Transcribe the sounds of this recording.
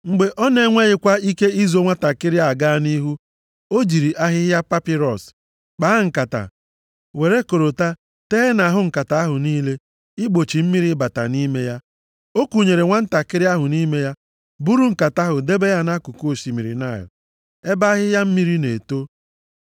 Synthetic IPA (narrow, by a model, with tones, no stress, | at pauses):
ŋ͡m̩˨ɡ͡be˨ʔɔ˦ne˦ŋʷe˦ɣɪ˨kʷa˦i˦ke˦i˦zo˦ŋʷa˦ta˨kɪ˦ɾɪ˦a˦˨ɡaː˦ni˦ɦu˦ | o˦d͡ʒi˨ɾi˨ʔa˦ɦɪ˦ja˦pa˦pɪ˦ɾɔ˨s | k͡pa˦ŋ̩˨ka˨ta̰˨ | we˨ɾe˦ko˨ɾo˨ta˦ | te˦ɦe˦na˨ɦʊ˦ŋ̩˨ka˨ta˨a˦ɦʊ˨niː˦le˦ | ɪ˦ɡ͡bo˨t͡ʃi˨m̩˦mi˦ɾi˦ba˨ta̰˨ni˦me˦ja˦ | o˦ku˨ɲe˨ɾe˨ŋʷa˦n̩˦ta˨kɪ˦ɾɪ˦a˦ɦʊ˨ni˦me˦ja˦ | bu˦ɾu˦ŋ̩˨ka˨ta˦ɦʊ˨de˦be˦ja˦na˦ku˨ko˦˨ʃi˨mi˨ɾḭ˨na˦˨jʊ̰˨ | e˦ba˦a˦ɦɪ˦ja˦m̩˦mi˦ɾi˦nḛ˨to˦